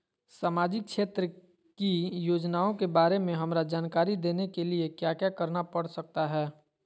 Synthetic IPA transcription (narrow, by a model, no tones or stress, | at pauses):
saːmaːd͡ʒɪk̚ʃʰeːt̪ɾə | kijoːd͡ʒnaːõkebaːɾemẽɦɐmɾad͡ʒaːnkaːɾid̪eːnekeliekjaːkjakɐɾnapəɽsək̚t̪aɦɛː